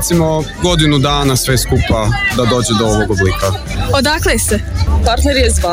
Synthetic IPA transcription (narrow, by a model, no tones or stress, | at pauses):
t̪simoɡo̞d̪inud̪aːnasʋeskupad̪ad̪o̞ːd͡ʑed̪ooʋoɡoblika | od̪aklesepaɾt̪neɾjezʋa